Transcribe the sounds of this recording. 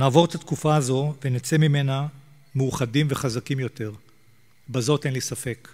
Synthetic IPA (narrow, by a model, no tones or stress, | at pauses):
naːvo̞ʁet̪at̪kufaazo̞venet͡semime̞na | meuχadimveχazakimjo̞te̞ʁ | bazo̞te̞nlisafe̞k